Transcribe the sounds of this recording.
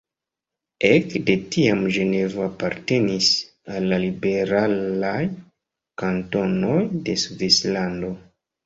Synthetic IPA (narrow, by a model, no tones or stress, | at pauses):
ekde̞tiamʒe̞ne̞vaːpaɾte̞nis | alːalibe̞ɾalaj | kanto̞nojde̞suvislando̞